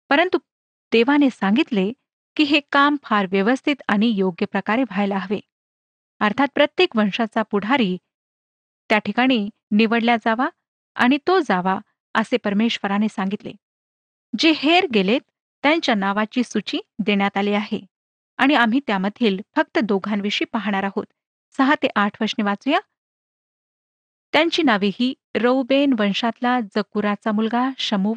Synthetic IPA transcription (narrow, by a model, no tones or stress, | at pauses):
pəɾənt̪u | d̪̥eʋanesãŋɡit̪le | kiːɦekamfʰaɾʋjəʋəst̪ʰit̪aɽ̃ijoɡjəpɾəkaɾeʋʱajlaɦʋḛ | əɾt̪ʰat̪̚pɾət̪jekʋəɳʂat͡sapuɽ̤aɾiː | t̪jaʈʰikaɽ̃iː | niʋəɽljad͡zaʋa | a̰ɽ̃it̪od͡zaʋa | əsepəɾmeɕʋəɾanesãŋɡit̪lḛ | d͡ʑeheɾɡelet̪ː | jaɲt͡ɕjanaʋat͡ɕiːsut͡ɕiːd̪eɳjat̪aliaɦḛ | aɽ̃iam̤iːt̪jaməd̪ʱiːlfək̚t̪əd̪oɡʱanʋiɕiːpaɦɳ̃aɾaɦot̪ | səɦat̪eʔaʈʰʋəɾʂniʋat͡suja | t̪jaɲt͡ɕiːnaʋiɦiː | ɾəwbenʋənɕãt̪lad͡zəkuɾat͡samulɡaɕəmuʋ